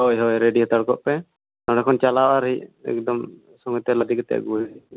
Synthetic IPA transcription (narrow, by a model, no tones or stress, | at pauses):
ɦɔjɦɔjɾeɖiɦɔt̪aɽkɔʔpɛ | t̪ɔ̃ɽɛkʰɔnt͡ʃalawʔaɾɦiɛ̰kd̪ɔm | sɔŋɔt̪ɛlad̪ʱikt̪ɛ̰ʔɡuɦi